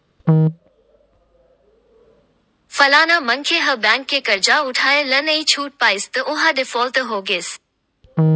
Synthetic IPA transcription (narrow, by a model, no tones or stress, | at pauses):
fɐlaːnamɐnkʰeːɦɐbɛ̃ːŋkʰːeːkɐɾd͡ʑaʊʈʰaːelɐnɐit͡ɕʰuːʈ̚paːɪst̪ɐʔʊɦaɗɪfoːlt̪əɦoːɡeːs